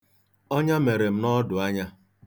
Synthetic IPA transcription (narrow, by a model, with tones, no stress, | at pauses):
ɔ˦ɲa˦me˨ɾe˨m̩˦nɔ˦dʊ˨a˦ɲa˦